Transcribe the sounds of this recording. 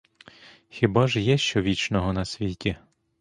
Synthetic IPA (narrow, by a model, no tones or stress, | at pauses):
xʲɪbɑʒjɛʃt͡ʃɔʋʲit͡ʃnɔɦɔnɐsʲʋʲitʲi